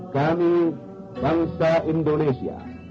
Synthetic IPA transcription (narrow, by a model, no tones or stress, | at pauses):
kaːmi | baŋsaʔindonesḭa̰